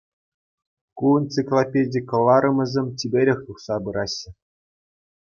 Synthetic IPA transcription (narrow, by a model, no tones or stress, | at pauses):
kuɤnt͡sɨklˠopʲedʲikɤ̆lˠːɑɾɤ̆mɤ̆zʲĕmʲtʲibʲeɾʲɘ̆xʲt̪uχsɑbɯɾɑɕːɘ̆